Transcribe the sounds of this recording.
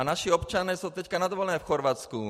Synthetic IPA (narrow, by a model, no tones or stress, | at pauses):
anaʃiɔpt͡ʃanɛːsut̪ɛckanad̪ɔʋɔlɛnɛːfxɔɾʋat͡sku